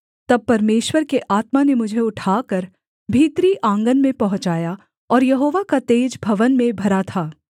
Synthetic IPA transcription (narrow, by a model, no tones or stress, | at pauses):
t̪ɐb̚pɐɾmeːʃwəɾkeʔaːt̪manemʊd͡ʒʱeʊʈʰaːkɐɾ | bʱiːt̪ɾiʔãːŋɡənmẽpɐɦʊ̃t͡ʃaːja | ɔːɾjɐɦoːʋakat̪eːd͡ʒbʱɐʋənmẽbʱɐɾat̪ʰaː